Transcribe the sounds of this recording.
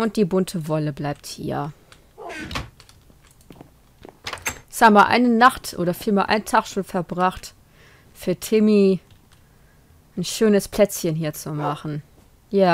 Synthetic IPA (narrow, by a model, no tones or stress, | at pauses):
ʔʊnt̚d̥iːbʊntʰəvɔləblaɪp̚thḭːɐ | ɪçhaːbəmaʔa̰ɪnənaχtʔo̰ːɾɐfiːlmaːɐlʔa̰ɪntʰaχʃoːnfɛɐbʁaχt | fyːɐtʰɪmi | ʔnʃøːnəspʰl̥ɛt͡sçənɦiːɐt͡sumaχn̩ | jaː